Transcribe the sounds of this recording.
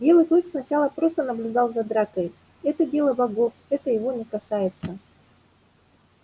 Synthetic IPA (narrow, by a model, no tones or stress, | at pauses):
bʲe̞lˠɨklˠɨksnɐt͡ɕalˠəpɾo̞st̪ənəblʲʉd̪ɑlˠzɐd̪ɾakəj | ɛt̪ədʲe̞lˠəbɐɡo̞fɛt̪əjɪvonʲɪkɐsajɪt̪sə